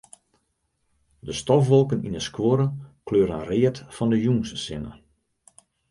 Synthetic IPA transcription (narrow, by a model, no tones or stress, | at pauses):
dəstɔfʋɔlˠkənḭnəskwoɾəkløːɾəənrɪətfɔndəjuŋssɪnə̰